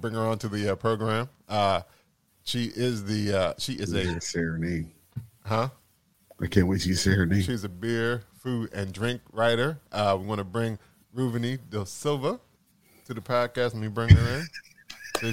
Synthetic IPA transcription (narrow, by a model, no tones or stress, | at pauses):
bɹɪ̃ŋə˞ə̃ntʰɨðɨʌpʰɹ̥oʊɡɹæ̃mʌ | ʃiʔɪzðiʌʃiʔɪzɨsɛɹnẽm | hʌ | ʔaɪkʰæ̃nwɪt͡ʃɨsɛɹɨniʃizɨbɪɹfuɾɨ̃ndɹɪ̃ŋkɹaɪɾə˞ʔʌwiwɑñəbɹɪ̃ŋ | ɹʉvɨ̃niðəsɪlˠvə | tʰɨðɨpʰɑd̚kæstn̩wibɹɪ̃ŋə˞ɪ̃n | s